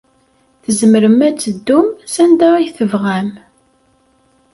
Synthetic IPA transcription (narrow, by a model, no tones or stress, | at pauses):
θəzməɾəmæt͡sːəd̪ːumsænd̪æijθəvʁæm